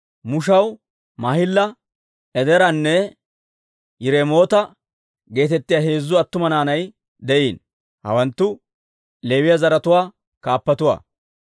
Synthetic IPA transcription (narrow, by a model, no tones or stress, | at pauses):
mʊʃɐw | maːhɪlːɐ | ɛd̪ɛɾɐnːɛ | jɪɾɛmo̞ːt̪ɐ | ɡe̞ːt̪ɛt̪ːɪjaːɦe̞ːzːʊɐt̪ːʊmɐnaːnɐj | d̪ɛʔiːn | hɐ̰wɐnt̪ːʊ | le̞ːwɪjazɐɾɐt̪ʊwaː | kaːpːɐt̪ʊwa̰ː